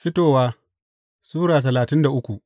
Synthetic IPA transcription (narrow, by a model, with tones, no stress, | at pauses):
ɸɪ˦toː˦˨waː˦ | suː˦ɽaː˨tɐ˨laː˨tɪ˦nda˨ʔʊ˦kʷu˨ʔ